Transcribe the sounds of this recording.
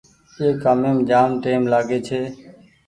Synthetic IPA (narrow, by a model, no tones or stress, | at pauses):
eːkaːmeːmd͡ʒaːmʈeːmlaːɡeːt͡ʃʰeː